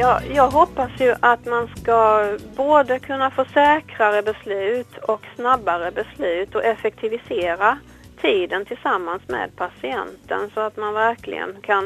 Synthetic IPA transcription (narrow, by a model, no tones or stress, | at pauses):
jɑːjɑːɡɦɔpːasjɵʔat̪manskaboːd̪əkʰɵnːafoːsɛːkɾaɾəbɛslʉ̟ːt̪ʰɔksnabːaɾəbɛslʉ̟ːt̪ɔʔɛfɛk̚t̪ʰɪvɪseːɾa | t̪ʰiːd̪ənt̪ʰɪlsamːansmḛd̪̚pʰasɪɛ̰nt̪ʰə̰nsɔat̪manvæɾkʰlɪ̰ɡə̰nkʰan